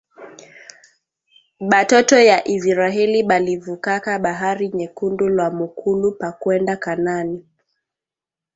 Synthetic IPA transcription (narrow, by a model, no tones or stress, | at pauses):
ɓatɔtɔjaʔizɾaɛliɓalivukakaɓaɦaɾiɲɛkundulwamukʰulupakwɛndakanani